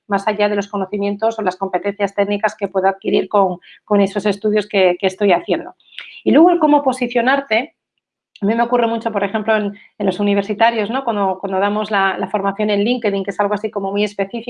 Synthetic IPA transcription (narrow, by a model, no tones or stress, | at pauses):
masaʝaðe̞lo̞sko̞no̞θimje̞nt̪o̞solasko̞mpe̞t̪e̞n̟θjast̪e̞ɡnikaske̞pwe̞ðoaðkiɾiɾko̞ŋko̞ne̞so̞se̞st̪uðjo̞ske̞ke̞ːst̪o̞jaθje̞nd̪o̞ | ilwe̞ɣ̞oelko̞mo̞po̞siθjo̞naɾt̪e̞ | amĩmeokure̞mut͡ʃo̞po̞ɾe̞xe̞mplo̞en | e̞nlo̞suniβ̞e̞ɾsit̪aɾjo̞zno̞kwand̪okwand̪o̞ð̞amo̞zlalafo̞ɾmaθjo̞ne̞nliŋke̞ðiŋkee̞salɣ̞oasiko̞mo̞muje̞spe̞θifi